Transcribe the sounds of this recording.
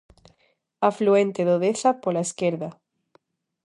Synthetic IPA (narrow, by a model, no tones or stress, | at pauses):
afluent̪eðoðeθapolaeskeɾða